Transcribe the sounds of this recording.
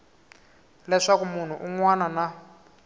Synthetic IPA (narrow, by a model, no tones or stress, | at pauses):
lɛʂakumun̤uʔuŋwanana